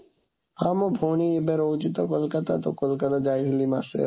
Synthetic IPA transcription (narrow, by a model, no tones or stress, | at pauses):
amobʱoniebeɾowt͡ʃit̪okolkat̪at̪okolkat̪ad͡ʒajɦilimasḛ